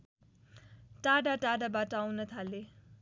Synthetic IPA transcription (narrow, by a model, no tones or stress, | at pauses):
ʈaɽaʈaɽabaʈʌawnʌt̪ʰale